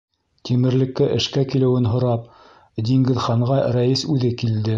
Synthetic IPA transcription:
t̪ʰimɘ̆ɾlɘ̆kːæʔɘ̆ʃkækilɘ̆wɘnɦŏɾɑp̚ | d̪iŋɡɘ̆ðχɑɴʁɑɾæjisʉðɘkild̪ɘ

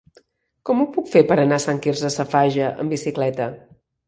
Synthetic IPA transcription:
kɔmupukfepəɾənasaŋkirzəsəfaʒəʔə̰mbisiklɛt̪ə

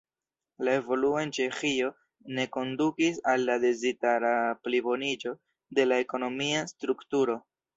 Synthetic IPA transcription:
lae̞vo̞luo̞e̞nt͡ʃe̞xio̞ | ne̞ko̞ndukisalːade̞zitaɾaplibo̞nid͡ʒo̞ | de̞lae̞ko̞no̞miastɾuktuɾo̞

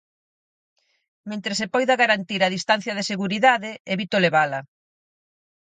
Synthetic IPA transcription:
mẽnt̪ɾesepɔjðaɣaɾant̪iɾaðist̪an̟θjɐð̞eseɣuɾiðaðɪeβit̪oleβalɐ

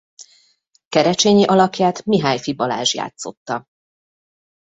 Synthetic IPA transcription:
kɛɾɛt͡ʃeːɲiʔɒlɒkjaːt̪miɦaːjfibɒla̰ːʒja̰ːt̪so̞̰t̪ːɒ

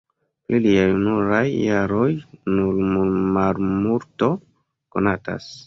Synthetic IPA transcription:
pliliajnuɾajːaɾo̞jnulmulmalmuɾto̞ | ko̞nata̰s

